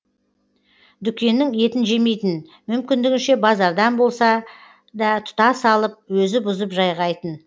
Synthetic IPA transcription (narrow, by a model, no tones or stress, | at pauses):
d̪ʏkʲe̞nːɪŋe̞t̪ɪnʒe̞me̞jt̪ɪn | mʏmkʲɪnd̪ɪɡʲɪnʃe̞bɑzɑɾd̪ɑnbo̞lˠsɑ | d̪ɑt̪ʰʊ̥t̪ɑsɑlˠəp̚wɵzɪbʊzəpʒɑjʁɑjt̪ən